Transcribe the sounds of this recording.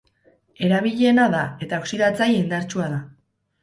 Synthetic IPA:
e̞ɾaβ̞iʎe̞naðae̞t̪aoksiðat͡sajind̪aɾt͡ʃuaða

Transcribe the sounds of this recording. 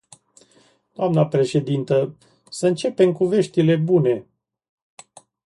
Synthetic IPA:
d̪̥oamnəpɾe̞ʃe̞d̪int̪ə | səɨnt͡ʃe̞pe̞mkuve̞ʃt̪ile̞bune̞

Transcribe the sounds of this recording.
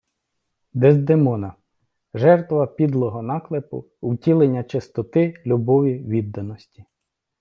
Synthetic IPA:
d̪ezd̪emɔnɐ | ʒɛrt̪ʋɐpʲid̪lˠɔɦɔnɑklˠepʊ̰ | uwtʲilˠenʲːɐt͡ʃest̪ɔt̪ɪlʲubɔʋʲiʋʲid̪ːɐnɔsʲtʲi̥

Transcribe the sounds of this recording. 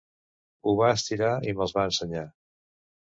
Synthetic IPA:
uβaəst̪iɾaiməlˠzβaənsəɲa

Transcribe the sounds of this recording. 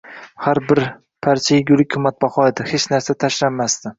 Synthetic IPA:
haɾbɪɾ | pʰaɾt͡ʃʰajɪɡʲʊlˠɪkʲʰːʊmːat̪̚baχɒed̪ɪhet͡ʃnaɾsat̪ʰaʃlanːast̪ɪ

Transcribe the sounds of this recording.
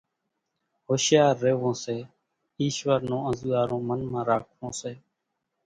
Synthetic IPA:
ɦoːʃjaːɾːeːʋõːseː | iːʃʋəɾnõːə̃zuːaːɾõːmənmãːɾaːkʰʋõːseː

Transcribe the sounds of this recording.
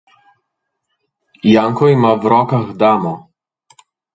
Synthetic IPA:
jaŋkɔimawɾɔːkaɣd̪aːmɔ

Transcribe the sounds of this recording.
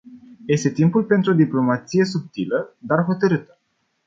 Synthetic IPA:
je̞st̪e̞t̪impulpe̞nt̪ɾuod̪iplo̞mat̪sije̞s̬up̚t̪iləd̪arɦo̞t̪əɾɨt̪ə̥

